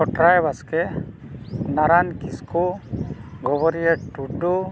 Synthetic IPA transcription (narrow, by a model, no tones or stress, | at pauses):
ɔʈɾajbaskɛ | naɾankisku | ɡɔβɔɾieʈuɖu